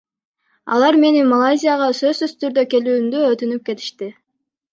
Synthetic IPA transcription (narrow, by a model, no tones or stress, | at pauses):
ɑ̰lˠɑɾme̞nimɐlˠajzʲijaʁɑsø̞zsyst̪yɾd̪øke̞lyːmd̪yøt̪ynyp̚ke̞t̪i̥ʃt̪i